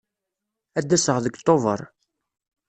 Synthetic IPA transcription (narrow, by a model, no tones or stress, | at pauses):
æd̪ːæsəʁðəɡt̪ˤːovə̰ɾˤ